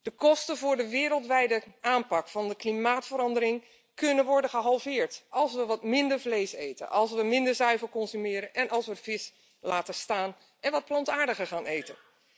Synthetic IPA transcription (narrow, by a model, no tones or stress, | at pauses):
d̥əkɔstənvʊːɹdəʋɪːɾəlˠtʋɛjdəʔaːnpɑkfɑndəklimaːtfəɾɑndəɾɪŋ | kɵnənʋɔɹdənχəɦɑlˠvɪːɹtʔɑlˠsʋəʋɑtmɪndəɹvlejsejtə̰nʔɑlˠsʋəmɪndəɹzœɥvəlkɔnsymɪːɾənʔɛnʔɑlˠsʋəvɪs | laːtəstaːn | ʔɛnʋɑt̚plɑntaːɹdəχəɹχaːnejtən